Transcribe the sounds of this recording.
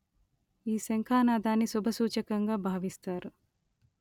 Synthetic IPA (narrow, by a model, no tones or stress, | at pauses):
iːseŋkʰaːnaːd̪ʱaːnːisubʱɐsuːt͡ʃɐkɐŋɡaːbʱaːʋist̪aːɾu